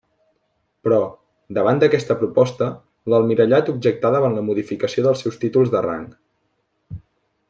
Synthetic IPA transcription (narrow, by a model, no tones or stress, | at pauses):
pɾɔ | d̪əβ̞and̪əkɛst̪əpɾupɔst̪ə | ləlˠmiɾəʎat̪ubʒək̚t̪aðəβanləmuðifikəsioðəlˠsɛwst̪it̪ulˠzðəra̰ŋk